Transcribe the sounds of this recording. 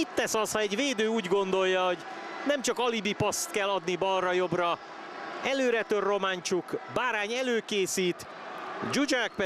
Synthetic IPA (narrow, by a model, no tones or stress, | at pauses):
it̪ːɛsɒshɒɛɟveːd̪øːuːɟɡo̞nd̪o̞jːɒɦo̞ɟ | nɛmt͡ʃɒkɒlibipɒst̪kɛlːɒd̪nibɒlrːɒjo̞brɒ | ɛløːɾɛt̪ørːo̞maːɲt͡ʃukbaːɾaːɲɛløːkeːsiːt̪ | d͡ʒud͡ʒak̚p